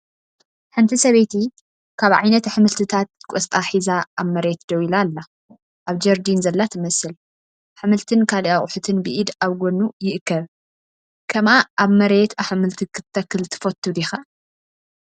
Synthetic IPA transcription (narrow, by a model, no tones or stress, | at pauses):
ħɨnt̪ʰisɐβejt̪ʰi | kʰaβʕajnɐt̪ħɨmɨlt̪ʰɨt̪ʰat̪̚kʼɔst̪ʼaħizaʔaβmɐɾet̪d̪ɐwilalːa | ʔaβd͡ʒɐɾd̪inzɐlːat̪ʰɨmɐsɨl | ħɨmɨlt̪ʰɨnkʰaliʔaχʼʊħut̪ʰɨnbɨʔid̪aβɡʷonːujɪʔɨkʰːɐβ | kʰɐmaʔaβmɐɾe̞t̪aħmɨlt̪ʰikʰɨt̪t̪ʰːɐkːɨlt̪ʰɨ̥fot̪ʰːud̪ixa